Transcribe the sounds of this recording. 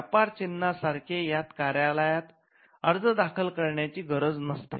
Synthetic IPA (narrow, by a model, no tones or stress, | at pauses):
japaɾt͡ɕinːasaɾkʰejat̪kaɾjaləjat̪ | əɾd͡zəd̪akʰəlkəɾɳjat͡ɕiːɡʱəɾəd͡znəst̪ḛ